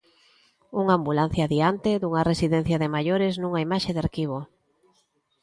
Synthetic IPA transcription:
uŋambulan̟θjaðiant̪eðuŋɐresiðɛn̟θjɐðɪmajoɾeznuŋaimaʃeðaɾkiβ̞o

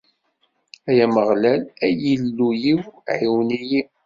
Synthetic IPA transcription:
æjæməʁlælæjilːujiwʕiwniji

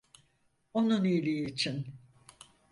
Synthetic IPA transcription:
onunijlʲijiːt͡ʃʰin

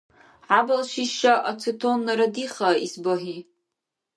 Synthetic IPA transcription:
ʕabalʃiʃaʔat͡sʰɨtʰonːaɾadiχaisbaħi

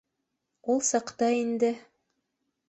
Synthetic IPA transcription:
ulˠsɑqt̪ɑind̪ɘ

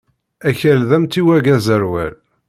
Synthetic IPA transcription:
æçælðæmt̪iwæɡæzəɾwæ̰l

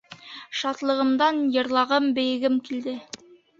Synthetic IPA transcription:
ʃɑt̪lˠɤ̆ʁɤ̆md̪ɑnjɤ̆ɾlˠɑʁɤmbɘ̆jɘ̆ɡɘmkild̪ɘ

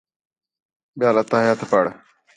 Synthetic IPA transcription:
ɓɪjaːlət̪ːaːjat̪ʰpaɽ

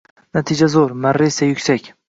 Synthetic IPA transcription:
nat̪ʰid͡ʒazoɾmaɾːesajʊkʲsakʲ

